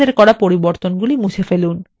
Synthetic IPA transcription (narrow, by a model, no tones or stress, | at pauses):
eɾkɔɾapoɾiboɾt̪onɡulimuʃʰefelun